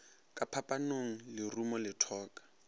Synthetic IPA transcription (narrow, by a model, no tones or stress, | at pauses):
kʼapʰapʼanoŋ̩lɪrumɔlɪtʰɔːkʼḁ